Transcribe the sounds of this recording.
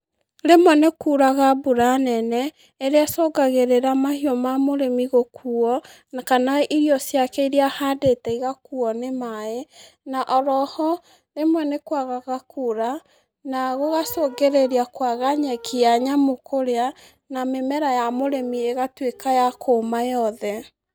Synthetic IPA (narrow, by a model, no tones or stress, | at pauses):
ɾemwɛnekuɾaɣabuɾanɛnɛ | eɾeasɔɡaɣeɾeɾamahiɔmamoɾemiɣokuɔ | nakanaʔiɾiɔsjakɛiɾiahadetɛiɣakuɔnemae | naʔɔɾɔhɔ | nemwɛnekwaɣaɣakʰuɾa | naɣoɣasoɡeɾeɾakwaɣaɲɛkiaɲamokʰoɾea | namemɛɾajamoɾemieɣatwekajakʰomajɔðɛ